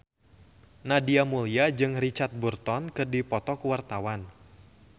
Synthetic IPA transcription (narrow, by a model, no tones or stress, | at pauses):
nadiamuliad͡ʒɨŋrit͡ʃat̪̚burt̪ɔnkɨrdipɔt̪ɔkuwart̪awan